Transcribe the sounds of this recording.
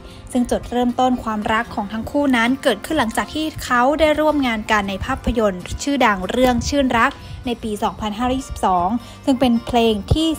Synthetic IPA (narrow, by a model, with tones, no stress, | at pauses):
sɯ˥˩ŋt͡ɕo˨˩t̪̚ɾɤː˥˩mt̪o˥˩nkʰwaː˧mɾa˦˥kʰːɔː˩˦ŋt̪ʰa˦˥ŋkʰuː˥˩na˦˥nkɤː˨˩t̪̚kʰɯ˥˩nla˩˦ŋt͡ɕaː˨˩k̚t̪ʰiː˥˩kʰa˦˥wdaː˥˩jɾu˥˩əmŋaː˧nka˧nːa˧jpʰaː˥˩pʰːa˧jo˧nt͡ɕʰɯː˥˩da˧ŋɾɯ˥˩əŋt͡ɕʰɯː˥˩nɾa˦˥k̚na˧jpiː˧sɔː˩˦ŋpʰa˧nɦaː˥˩ɾɔː˦˥˩jiː˥˩si̥˨˩p̚sɔː˩˦ŋ | sɯ˥˩ŋpe˧npʰleː˧ŋt̪ʰiː˥˩